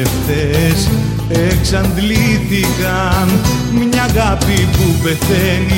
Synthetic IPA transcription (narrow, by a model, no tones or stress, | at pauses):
eft̪es | eksand̪lit̪iɣa | n | mɲaɣapipuβeθeni